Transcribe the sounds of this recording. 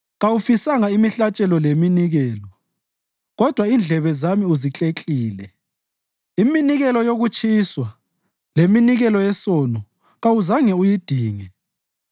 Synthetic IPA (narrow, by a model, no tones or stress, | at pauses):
ɣawufisaŋaimiɬat͡ʃʼɛlɔleminiɣɛːlɔ | ɣɔd̥ʱwaind͡ɮʱɛβɛzamiuzit͡ɬʼet͡ɬʼiːlɛ | iminiɣɛlɔjoɣut͡ʃʰʼiswa | leminiɣɛlɔɛsɔnɔ | ɣawuzaŋɛujid̥ʱiːŋɛ